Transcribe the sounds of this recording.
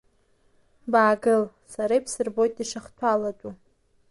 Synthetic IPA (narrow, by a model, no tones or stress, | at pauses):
baːɡɨl | saɾajpʰsɨrbo̞jtʼdiʂaχtʷʰalatʼu